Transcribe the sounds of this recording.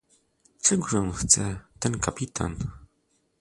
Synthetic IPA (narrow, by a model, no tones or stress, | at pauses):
t͡sɛɡʐɔ̃nxt̪sɛt̪ɛnkapʲit̪ʰa̰n